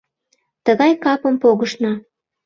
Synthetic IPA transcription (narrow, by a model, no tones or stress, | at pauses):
t̪əɣɑjkɑpəmpoɣəʃnɑ